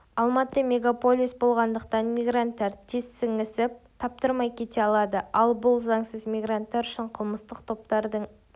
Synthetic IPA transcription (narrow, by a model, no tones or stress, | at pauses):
ɑlˠmɑt̪əmʲe̞ɡapo̞lʲisbo̞lˠʁɑnd̪əq̚t̪ɑnmʲijɡɾant̪ːɑɾt̪ʰesːɪŋɪsɪp̚t̪ʰɑp̚t̪əɾmɑjkʲʰe̞t̪e̞ɑlˠɑd̪əɑlˠbʊlˠzɑŋsəzmʲiɡrant̪ːɑɾʏʃɪɴqʰəlˠməst̪əqt̪ʰo̞p̚t̪ɑɾd̪əɴ